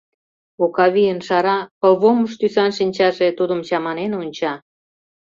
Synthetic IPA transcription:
okɑβijənʃɑɾɑpəlβoməʃt̪ysɑnʃinʲt͡ɕɑʒet̪ud̪əmt͡ɕɑmɑnenonʲt͡ɕɑ

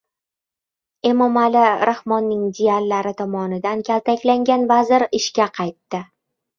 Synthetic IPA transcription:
emɒmalɪɾʔahmɒnːɪŋd̪iallːaɾɪt̪ʰɒmɒnɪd̪ankʲʰalt̪akʲlaŋɡʲanvazɪɾɪʃkʲaqʰɑjt̪ːɪ

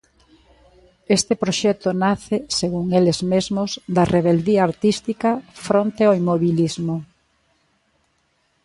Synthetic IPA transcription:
est̪ɪpɾoʃɛt̪ʊnaθɪseɣuŋelezmezmʊzd̪ɐrʔeβeld̪iɐːɾt̪ist̪ikɐfɾont̪eaimoβilizmo

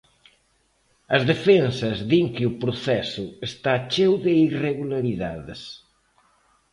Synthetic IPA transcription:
ɐzðefensɐzðiŋkɪʊpɾoθɛsʊest̪at͡ʃewðɪireɣulaɾiðaðɪs

